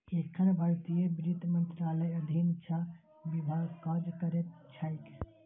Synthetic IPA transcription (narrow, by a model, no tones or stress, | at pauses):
ekʰənbʱaɾt̪ijəbɾit̪mənt̪ɾaləjəd̪ʱint͡ʃʰa | bibʱaɡkad͡ʒkəɾet̪t͡ʃʰajk